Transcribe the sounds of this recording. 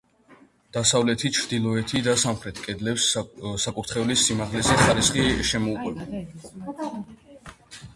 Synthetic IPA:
d̪̥asavlɛt̪ʰit͡ʃʰɾd̪ilˠɔɛt̪ʰid̪asamχɾɛt̪ʰkʼɛd̪lɛpssakʼuɾt̪χɛulisːimaʁlɛzɛχaɾisχiʃɛmɔukʼwɛbɔ

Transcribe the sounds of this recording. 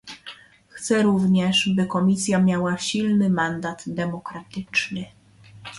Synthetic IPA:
xt̪sɛɾuvɲɛʂbɘkɔmʲisʲjamʲjawaɕilnɘmand̪ad̪d̪ɛmɔkɾat̪ɘt͡ʂnɘ

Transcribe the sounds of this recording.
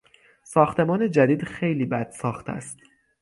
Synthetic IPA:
sɒːxt̪ʰe̞mɒːne̞d͡ʒæd̪iːd̪xe̞jliːbæd̪̥sɒːxt̪ʰæ̰st̪

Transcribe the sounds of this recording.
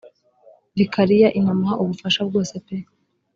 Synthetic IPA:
βikʰaɾijaʔiɲamhaʔuβufaʃab̚ɡo̞ːsepe

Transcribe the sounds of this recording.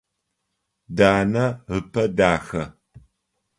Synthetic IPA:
daːnɐhɨpɐdaːxɐ

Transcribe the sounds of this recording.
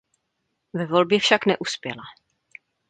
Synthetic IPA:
vɛvo̞lbjɛfʃaknɛʔuspjɛla

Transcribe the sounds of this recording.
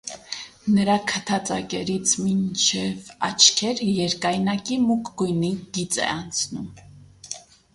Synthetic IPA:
nəɾɑkʰət̪ʰɑt͡sɑ̰kɛɾit͡sʰmint͡ʃʰɛvɑ̰t͡ʃʰkʰɛɾjɛɾkɑjnɑkimukɡujniɡ̥it͡sɛ̰ɑnt͡sʰnum

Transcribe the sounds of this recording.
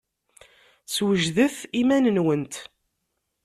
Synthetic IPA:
swəʒðəθimænənwənt̪

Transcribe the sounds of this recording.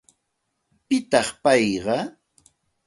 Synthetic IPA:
pɪt̪ɑχpɑjɢɑ

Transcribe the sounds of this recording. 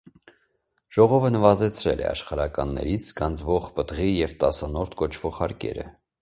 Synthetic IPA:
ʒ̥ɔʁɔvənəvɑzɛt͡sʰɾɛlʔɛ̰ɑ̰ʃχɑɾɑkɑnːɛ̰ɾit͡sʰɡɑnd͡zvɔʁpət̪ʁijɛvt̪ɑsɑnɔɾt̪ʰkɔt͡ʃʰvɔʁhɑɾkɛ̰ɾə̰

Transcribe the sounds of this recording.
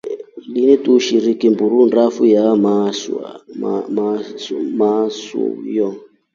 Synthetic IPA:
linituʃiɾikimbuɾunrafujamasa̰m | masṵjɔ

